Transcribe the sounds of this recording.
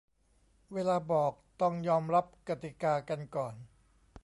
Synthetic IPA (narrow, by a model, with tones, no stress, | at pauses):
weː˧laː˧bɔː˨˩k̚t̪ɔ˥˩ŋjɔː˧mɾa˦˥p̚ka˧t̪i˨˩kaː˧ka˧nkɔː˨˩n